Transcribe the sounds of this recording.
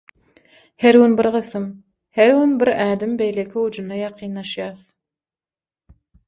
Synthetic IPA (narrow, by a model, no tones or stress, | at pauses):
heɾɣunbiɾʁɯθɯm | heɾɣunbiɾæːd̪ɪmbe̞jlekʲʰiud͡ʒunːɑjɑqʰiːnːɑʃjɑːθ